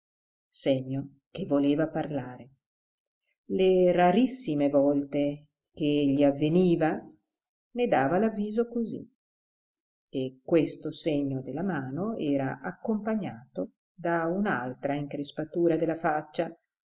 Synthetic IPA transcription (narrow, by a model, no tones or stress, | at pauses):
seɲːo | k̟evːoleːvaparlaːɾe | leraɾisːimevɔlt̪e | k̟eʎːiavːeniːva | ned̪aːvalavːiːzokozḭ | ekːwest̪oseɲːod̪elamaːnoɛːɾaʔakːompaɲːaːt̪o | d̪aunalt̪ɾaiŋkɾespat̪uːɾad̪elːafat͡ʃːa